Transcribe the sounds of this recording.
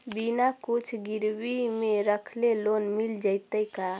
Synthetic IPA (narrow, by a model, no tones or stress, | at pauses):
binakut͡ʃʰɡiɾbimeɾəkʰlelonmild͡ʒəjt̪əjka